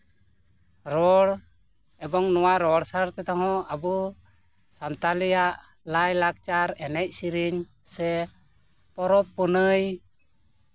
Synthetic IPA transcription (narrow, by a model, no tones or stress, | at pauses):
ɾɔɽ | ɛbɔŋnɔwaɾɔɽsaɾt̪ɛt̪ɔɦɔ̃abu | sant̪alijaʔ | lajlak̚t͡ʃaɾɛnɛc̚siɾiɲ | sɛ | pɔɾɔpːɔnɯj